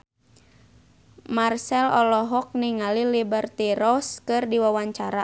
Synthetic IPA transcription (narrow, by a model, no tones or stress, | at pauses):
marsɛlɔlɔɦɔk̚niŋalilibərt̪iɾɔskɨrdiwawaɲt͡ʃaɾa